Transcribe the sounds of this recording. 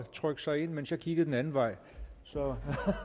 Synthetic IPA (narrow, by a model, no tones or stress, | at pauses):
t͡sʰʁœɡ̥sɑ̈ɪe̝n̰mensjɑ̈kʰiɡ̥ð̩ˠd̥enænn̩ʋɑ̈ɪ̰ | sɒ̽